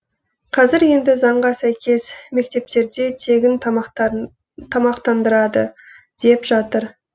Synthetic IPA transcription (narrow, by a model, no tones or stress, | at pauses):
qʰɑzɪɾje̞nd̪ɪzɑɴʁɑsæjkʲe̞sme̞k̚t̪e̞p̚t̪e̞ɾd̪e̞t̪ʰe̞ɡʲɪn | t̪ʰɑmɑqt̪ɑnd̪əɾɑd̪ə | d̪̥e̞pʒɑt̪əɾ